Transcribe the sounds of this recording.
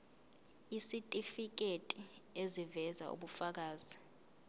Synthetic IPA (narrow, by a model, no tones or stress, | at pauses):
isitʼifik̬etʼiezivɛza̰ṵɓufak̬aːzi